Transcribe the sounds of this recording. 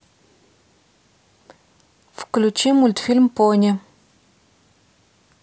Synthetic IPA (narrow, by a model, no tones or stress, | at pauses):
fklʲut͡ʃimulʲt̪fʲilʲmponʲɛ